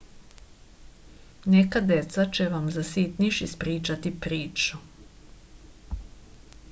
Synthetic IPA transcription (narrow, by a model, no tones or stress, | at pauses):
nekad̪e̞t̪sat͡ʃeʋamzasit̪niʃispɾiːt͡ʃat̪ipɾiːt͡ʃu̥